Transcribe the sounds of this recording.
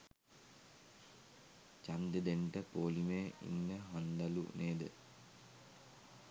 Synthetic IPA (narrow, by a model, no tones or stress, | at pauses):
t͡ʃand̪əd̪eɳʈəpoːlimeːḭnːəɦand̪alṵneːd̪ə